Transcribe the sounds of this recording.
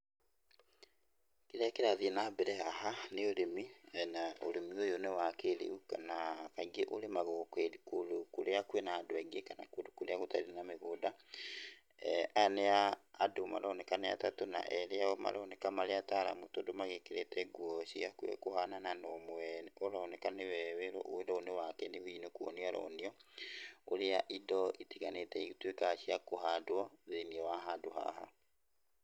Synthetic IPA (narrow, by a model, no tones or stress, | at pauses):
kiɾɛakeɾaðienabeɾɛahaneoɾemiɛnaoɾemiojonɛwakeɾḛukanakaɡeʔoɾemaɣokweikolukoɾeakwenaːdwɛɡekana̰kwedukoɾeaɣota̰ienameɣoda | aneaːdoma̰ɾaonɛkanea̰tatona̰ʔɛɾeaoma̰ɾoonekamaleataɾa̰mutodomaɣekeɾetɛɡwoʃiakwḛkuhanananomwɛnoɾaonɛkaneβɛβeɾo̰ʔoedaonewakɛnehinokwɔ̰niaɾo̰niɔ | oɾejaʔidɔʔitiɣanetɛitwekaʃiakohadwɔðeniɛwaɦaduha̰ha